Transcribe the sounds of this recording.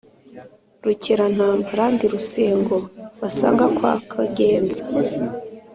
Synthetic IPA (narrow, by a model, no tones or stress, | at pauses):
ɾucʰeɾan̥haːmbaɾandiɾuseːŋɡoβasa̰ːŋɡakwa̰kʰaɡeːnza